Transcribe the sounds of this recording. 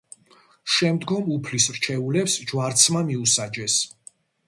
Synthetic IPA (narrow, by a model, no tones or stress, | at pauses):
ʃɛmd̪ɡɔmupʰlisɾt͡ʃʰɛulɛpsd͡ʒwaɾt̪sʰmamiusad͡ʒɛs